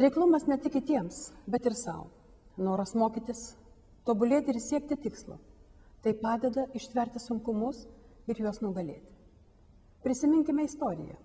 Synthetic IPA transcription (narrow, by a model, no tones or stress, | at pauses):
ɾʲɛɪklˠʊmɐsnʲɛt̪ʲɪkʲɪt̪ʲiɛmsbʲɛt̪ɪɾsɐ̰ʊ | noːɾɐsmoːkʲiːt̪ʲɪs | t̪oːbʊlʲeːt̪ʲɪɾsʲiɛk̚t̪ʲɪt̪ʲɪkslˠṵt̪ɐɪpɑːd̪ʲɛd̪ɐɪʃʲt̪ʲʋʲɛɾʲt̪ʲɪsʊŋkʊmʊs | ɪɾjuɔsnʊɡɐlʲḛːt̪ʲ | pʲɾʲɪsʲɪmʲɪŋʲkʲɪmʲɛɪst̪oːɾʲɪ̰jɛ̰